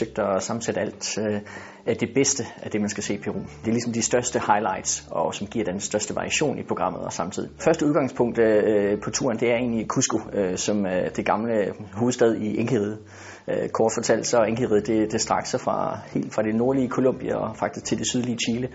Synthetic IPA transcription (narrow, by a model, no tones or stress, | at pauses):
søɡ̥̚d̥ɒsɑ̈mn̩seɾəæl̰d̥ | æd̥e̝b̥esd̥əæd̥e̝mænsɡ̥æsḛːpʰe̝ʁṵːmd̥e̝æɐlisɒ̽md̥isd̥ɶɐsd̥əhɑ̈ɪlɑ̈ɪ̰d̥sɒ̽sɒ̽mɡ̥ḭɐ̰d̥ensːd̥ɶɐsd̥əʋɑ̈ʁḭæɕo̝̰ːnʔipʰʁo̝ɡ̥ʁɑ̈m̰ð̩ˠɒ̽sɑ̈mt͡sʰið̞̰ˠifɶɐsd̥əuðˠɡ̥ɑ̈ŋspʰɔ̽ŋ̰d̥pʰɒ̽t͡sʰṵɐ̰nd̥e̝æɐe̝̰ːnlikʰusɡ̥uøsɒ̽md̥e̝ɡ̥ɑ̈mləhuːð̩ˠsd̥ɛð̞ˠieŋkʰiʁiðˠ | økʰɒːd̥fɒ̽t͡sʰæl̰səɒ̽eŋɡ̥əʁið̩ˠd̥e̝d̥e̝sd̥ʁɑ̈ɡ̥sɒfʁɑ̈he̝̰ːld̥fʁɑ̈ɾ̥e̝no̝ɐliəkʰo̝lo̽mb̥iæɒfɑɡ̥̚d̥isɡ̥t͡sʰe̝lde̝syð̞ˠliət͡ɕʰiːlə